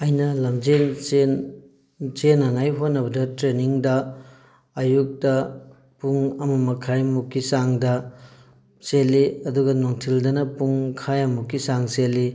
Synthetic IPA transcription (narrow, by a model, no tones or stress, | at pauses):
ɐjnɐlɐmd͡ʒenen | senɐŋajɦonːɐbɐdɐtɾeniŋdɐː | juk̚tɐ | puŋɐmɐmɐkʰajmukːisaŋdɐ | selːiɐduɡɐnoŋtʰildɐnɐpuŋkʰajɐmukːisaŋseli